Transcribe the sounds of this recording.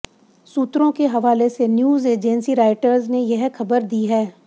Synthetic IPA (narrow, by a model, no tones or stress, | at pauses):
suːt̪ɾõkeɦɐʋaːlesenjuːzeːd͡ʒɛnsiɾaːɪʈəɾznejɐɦxɐbəɾd̪iːɦɛː